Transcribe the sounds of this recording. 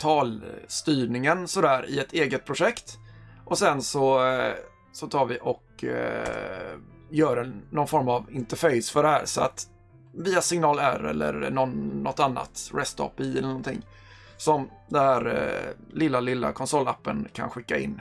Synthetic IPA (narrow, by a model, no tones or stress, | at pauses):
t̪ʰɑːlst̪yːɳɪŋənsɔd̪æːɾɪ̰ɛt̪eːɡət̪̚pʰɾʊʂɛkt̪ʔɔsɛnsɔ | sɔt̪ʰɑːɾvɪʔɔk | jœːɖɛnɔnfɔɾmavɪnt̪əɾfɛjsfœɖɛhæːɾsɔa̰t̪ | viːasɪŋnɑːlæ̰ːɾɛ̰lːə̰ɾɳɔnːɔt̪ːanːa̰t̪ɾɛst̪ʰɔ̰pɪɛlːənɔnt̪ʰɪ̰ŋː | sɔmd̪ɛnhæːɾlɪlːalɪlːa̰kʰɔnsɔlːapːə̰nkʰa̰nɧɪkːaɪ̰nː